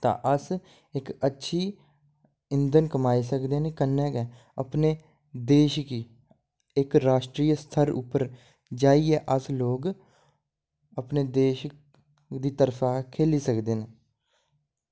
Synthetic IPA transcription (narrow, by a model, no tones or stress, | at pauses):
t̪ã̰ːʔəs | ɪkətːʃʰiː | ɪnd̪ənkəmaːisəkd̪eːneːkənːɛːkɛː | əpneː | d̪eːʃkiː | ɪkɾaːʃʈɾiːjəst̪ʰəɾʊ̰pːəɾ | d͡ʒaːiɛːʔəsloːɡ | əpneːd̪eːʃ | d̪iːt̪əɾfʰaːkʰeːliːsəkd̪eːneː